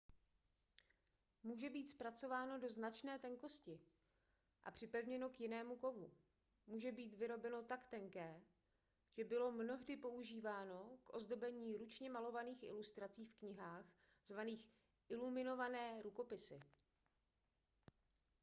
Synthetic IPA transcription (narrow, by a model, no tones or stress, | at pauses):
muːʒɛbiːt̪spɾat͡so̞vaːno̞do̞znat͡ʃnɛːt̪ɛŋko̞scɪ | ʔa̰pr̥ɪpɛvɲɛno̞kjɪnɛːmuko̞vu | muːʒɛbiːt̪vɪɾo̞bɛno̞t̪akt̪ɛŋkɛː | ʒ̥ɛbɪlo̞mno̞ɦdɪpo̞uʒiːvaːno̞kʔo̞zdo̞bɛɲiːɾut͡ʃɲɛmalo̞vaniːxʔɪ̰lust̪ɾat͡siːfkɲɪɦaːx | z̥vaniːx | ʔɪlumɪno̞vanɛːɾuko̞pɪsɪ